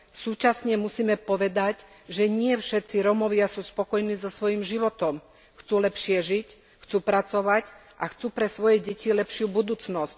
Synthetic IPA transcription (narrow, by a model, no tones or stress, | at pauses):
suːt͡ʃasɲɛmusiːmɛpɔʋɛd̪ac | ʒɛɲɪɛfʃɛt̪t͡siɾɔmɔʋɪasuːspɔkɔjniːzɔsʋɔjimʒiʋɔt̪ɔm | xt͡suːlɛpʃɪɛʒic | xt͡suːpɾat͡sɔʋac | ʔaxt͡suːpɾɛsʋɔjɛɟɛcilɛpʃɪubud̪uːt͡snɔsc